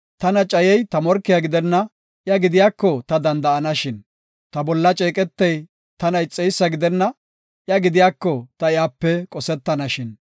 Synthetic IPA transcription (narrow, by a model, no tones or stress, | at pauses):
t̪ɐnɐt͡ʃʼɐjɛjt̪ɐmɔɾkːɪjaɡɪd̪ɛnːɐ | ʔjɐɡɪd̪ɪjaːkːɔt̪ɐd̪ɐnd̪ɐɐnɐʃɪn | t̪ɐbɔlːɐt͡ʃʼeːkʼɛt̪ːɛj | t̪ɐnɐjt͡sʼːɛjsːɐɡɪd̪ɛnːɐ | ʔjɐɡɪd̪ɪjaːkːɔt̪ɐɪjaːpːɛkʼɔsɛt̪ːɐnɐʃɪn